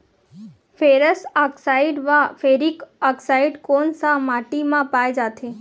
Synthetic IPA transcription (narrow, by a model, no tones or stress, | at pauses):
feːɾəsaksaːɪɖʋafʰeːɾikaksaːiɖkoːnsãmaːʈimãpaːjd͡ʒaːt̪ʰe